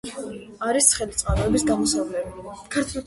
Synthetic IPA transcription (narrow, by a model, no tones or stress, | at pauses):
aɾisχɛlit̪sʼqʼaɾɔɛbisɡamɔsavlɛbikʰaɾt̪ʰ